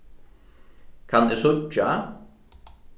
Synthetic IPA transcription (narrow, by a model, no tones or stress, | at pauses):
kʰand̪esʊt͡ʃːa